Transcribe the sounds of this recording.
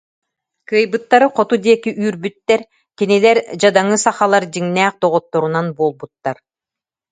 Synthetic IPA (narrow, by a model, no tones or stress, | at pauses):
kɯːjbɯt̪ːaɾɯqɔt̪ud̪iɛkiʔyːɾbyt̪ːɛɾ | kinilɛɾd͡ʑad̪aŋɯsaχalˠaɾd͡ʑiŋnæːq̚d̪ɔʁɔt̪ːɔɾunanbuɔlˠbut̪ːaɾ